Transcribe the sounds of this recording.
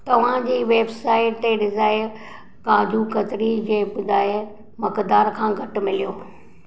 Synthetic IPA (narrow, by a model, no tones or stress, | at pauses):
t̪ɐʋ̤ãd͡ʑiːʋeːbsaːɪʈt̪eɖɪzaːɪɾ | kãːd͡ʑukɐt̪ɾid͡ʑeːbʊd̪aːe | mɐkd̪aːɾkʰãːɡʱɐʈmɪlijoː